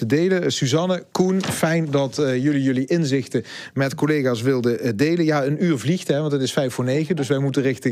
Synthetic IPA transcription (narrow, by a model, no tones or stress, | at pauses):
ədejləsyzɑnəkunfɛjndɑtjɵlijɵliʔɪnzɪxtəmɛtkolejɣaːsʋɪlˠdədejlənjaːənyːɹvlixtɦɛʋɑntətɪsfɛjfʊːɹnejχədɵs̬ʋɛjmutərɪxtə